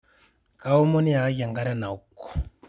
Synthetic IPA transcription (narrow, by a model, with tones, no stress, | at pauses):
ka˦u˦mo˦ni˦ja˨˦ɡa˨ŋɡa˦ɾa˦na˨u˦kːɔ̥˨